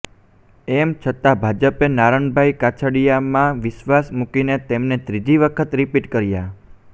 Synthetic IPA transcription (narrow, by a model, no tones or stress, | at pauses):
ɛmt͡ʃʰət̪abʱad͡ʒəpenaɾəɳbʱajkat͡ʃʰəɽijamãʋɪʃʋasmukinet̪emnet̪ɾid͡ʒiʋəkʰət̪ɾipiʈkəɾja